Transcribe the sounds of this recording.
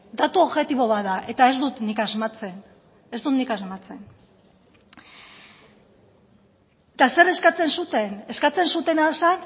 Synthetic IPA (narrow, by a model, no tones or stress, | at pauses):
d̪at̪uoβʝe̞t̪iβo̞βaðaʔe̞t̪ae̞zd̪ut̪nikazmat͡se̞n | e̞zd̪ut̪nikazmat͡se̞n | t̪ase̞ɾe̞skat͡se̞nsut̪e̞neskat͡se̞nsut̪e̞nasan